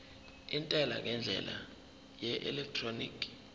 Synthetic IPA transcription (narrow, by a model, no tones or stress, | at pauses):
intʼɛla̰ŋɛnd͡ɮʱɛ̰la̰ | jɛʔɛlɛk̚tʰronḭːkʰʼ